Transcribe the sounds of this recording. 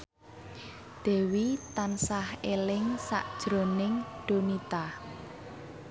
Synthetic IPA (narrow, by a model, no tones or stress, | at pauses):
d̪̥e̤wit̪ansahelɪŋsa̰ʔd̥ʒ̥ɾo̤nɪŋɖ̥o̤nit̪a